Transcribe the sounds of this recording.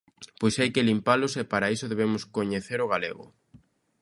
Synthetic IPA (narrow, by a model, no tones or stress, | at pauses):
pojsajkɪlimpalʊsepaɾaisoðeβ̞emʊskoɲeθeɾoɣalḛɣʊ̰